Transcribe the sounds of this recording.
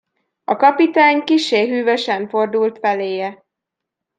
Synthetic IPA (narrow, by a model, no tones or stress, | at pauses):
ɒkɒpit̪aːɲkiʃːeːɦyːvøʃɛɱfo̞rd̪ult̪fɛleːjɛ